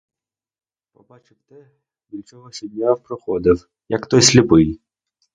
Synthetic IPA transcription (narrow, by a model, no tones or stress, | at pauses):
pɔbɑt͡ʃɪwt̪ɛ | bʲilʲt͡ʃɔɦɔsʲɔb̪ʲnʲawpɾɔxɔd̪ɪw | jɐkt̪ɔjsʲlʲɪpɪj